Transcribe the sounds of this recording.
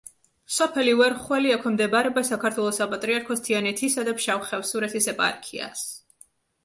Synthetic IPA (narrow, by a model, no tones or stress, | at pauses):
sɔpʰɛliwɛɾχwɛliakʰɛmd̪ɛbaɾɛbasakʰaɾt̪ʰwɛlˠɔsapʼat̪ʼɾiaɾkʰɔst̪ʰianɛt̪ʰisad̪apʃawχɛfsuɾɛt̪ʰisɛpʼa̰ɾkʰia̰s